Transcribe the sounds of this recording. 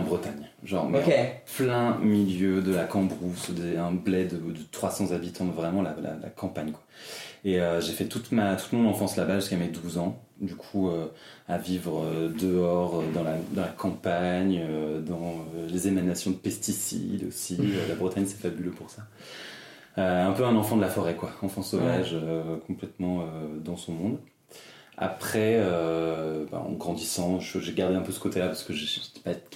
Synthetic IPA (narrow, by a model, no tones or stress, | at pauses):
ɑ̃bʁət̪aɲʒɑ̃ʁmokeplɛ̃miljød̪əlakɑ̃bʁusd̪eɛ̃blɛd̪əd̪ət̪χwasɑ̃zabit̪ʰɑ̃vʁɛmɑ̃lala̰la̰kɑ̃paɲkwaeøʒefɛt̪ut̪mat̪u̥t̪mɔ̃nɑ̃fɑ̃slabaʒyskamed̪uzɑ̃ | d̪ykʰuø | avivʁød̪əɔʁəd̪ɑ̃lad̪ɑ̃lakʰɑ̃paɲød̪ɑ̃ølezemanasjɔ̃d̪əpɛst̪isḭd̪o̰siølabʁət̪aɲsɛ̥fabyløpuʁsa | øɛ̃pøɛ̃nɑ̃fɑ̃d̪əlafɔʁɛkwaɑ̃fɑ̃sovaʒøkʰɔ̃plɛt̪mɑ̃ød̪ɑ̃sɔ̃mɔ̃d̪ | a̰pχɛø | ba̰ɑ̰̃ɡʁɑ̃d̪isɑ̃ʒəʒeɡaʁd̪eɛ̃pøsə̥kot̪elapḁsə̥kəʒeʒt̪ɛ̥pa